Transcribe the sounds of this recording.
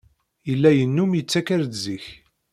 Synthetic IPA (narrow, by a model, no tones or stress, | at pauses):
jəlːæjənːumjət͡sːækaɾd̪ziç